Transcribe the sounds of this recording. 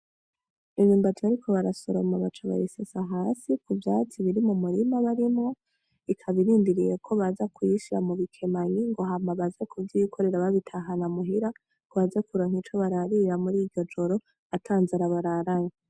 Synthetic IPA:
iɲuːmbatʰβaɾikʰo̞βaɾasoɾo̞maβat͡ʃaβa̰jisesaɦaːsikuvjaːt͡siβiɾimumuɾimaβaɾimŋo̞ | ikʰaβiɾiːndiɾijekʰo̞βazakwiʃiɾa̰muβikʰe̞maɲiŋɡo̞ɦamaβazekʰuvjikʰoɾe̞ɾaβaβitʰaɦanamuɦiɾa | ŋɡoβazakuɾoŋ̥hit͡ʃo̞βaɾaɾiɾamuɾiɟɟo̞d͡ʒo̞ɾo | atʰaːnzaɾaβaɾaɾaɲa

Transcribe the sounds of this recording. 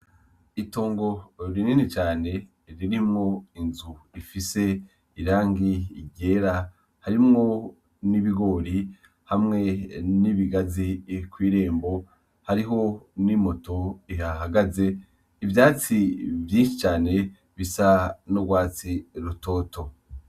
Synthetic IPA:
ito̞ːŋɡo̞ɾininit͡ʃaːne̞ | ɾiɾimŋo̞inzuifise̞ | iɾaːŋɡiɟe̞ːɾa | haɾimŋo̞ | niβiɡo̞ːɾi | hamŋe̞niβiɡazikwiːɾe̞ːmbo̞ | haɾiɦo̞nimo̞to̞iɦaɦaɡaze̞ | ivjaːt͡sivjĩːnʃit͡ʃaːne̞ | βisanoɡwaːt͡siɾuto̞ːtʰo̞

